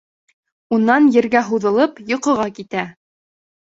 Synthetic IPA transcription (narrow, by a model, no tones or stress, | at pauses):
unːɑnjɘ̆ɾɡæɦuðɤ̆lˠɤpjŏqɤ̆ʁɑkit̪æ